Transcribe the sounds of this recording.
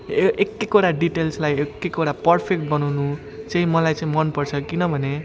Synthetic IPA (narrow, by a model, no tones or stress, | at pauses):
ekːekoɽaɖiʈelslajekːekoɽapʌrpʰek̚ʈ̚bʌnawnu | t͡sʌĩmʌlajt͡sãĩmʌnpʌrt͡sʰʌkinʌbʱʌne